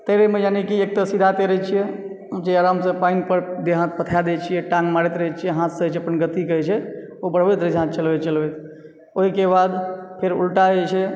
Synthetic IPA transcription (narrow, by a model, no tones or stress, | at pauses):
t̪əɾəmẽd͡ʒanikiek̚t̪əsid̪ʱat̪əɾət͡ʃʰijɛ | d͡ʒeəɾamsə̃panpəɾd̪eɦãt̪̚pət̪ʰjad̪et͡ʃʰijɛʈãŋɡmaɽet̪ɾəɦɛt͡ʃʰijɛɦãt̪səɦt͡ʃʰəpənɡət̪ikəɛt͡ʃʰɛ | obəɽ̤bɛt̪ɾət͡ʃɦãt̪t͡ʃəlbɛt͡ʃəlbɛt̪ | oɦikebad̪pʰeɾṵlʈaət͡ʃʰɛ